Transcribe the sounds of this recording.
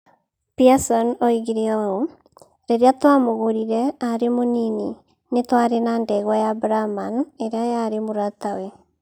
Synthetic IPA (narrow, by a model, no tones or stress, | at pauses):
piasɔnɔiɣiɾeɔo | ɾeɾeatwamoɣoɾiɾɛaɾemonini | netwaɾenandɛɣwajabɾamaneɾeajaɾemoɾatawe